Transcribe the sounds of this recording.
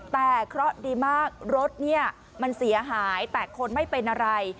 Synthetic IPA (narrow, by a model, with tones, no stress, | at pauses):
t̪ɛː˨˩kʰɾɔ˦˥ʔdiː˧maː˥˩k̚ɾo˦˥t̪̚ni˥˩ɐ | ma˧nsi˨˩˦ɐɦaː˩˦jt̪ɛː˨˩kʰo˧nma˥˩jpe˧nʔa˧ɾa˧j